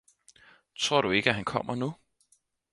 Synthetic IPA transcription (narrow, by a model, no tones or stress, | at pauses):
t͡sʰʁo̝ɐ̰ɾ̥ue̝ɡ̥əæɦænkʰɒ̽m̰ɐnu